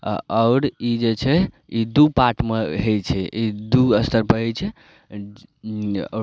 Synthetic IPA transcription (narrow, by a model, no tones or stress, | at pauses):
a̰ʔɔʊɾid͡ʒet͡ʃʰɛ | id̪upaʈmeɦejt͡ʃʰɛid̪uəst̪əɾpəɦet͡ʃʰɛ